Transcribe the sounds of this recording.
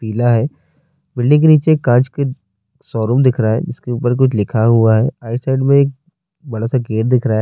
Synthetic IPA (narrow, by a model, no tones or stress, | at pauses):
piːlaɦɛː | bɪlnĩk̬eniːt͡ʃekːãːt͡ʃke | sɔːɾumd̪ɪkʰɾaaɦɛ̰d͡ʒɪskeuːpəɾk̬ʊt͡ʃʰlɪkʰaɦuaɦɛːaːɪsaːɪɖmẽeːk̚ | bɐɽasaɡeːʈ̚d̪ɪkʰɾa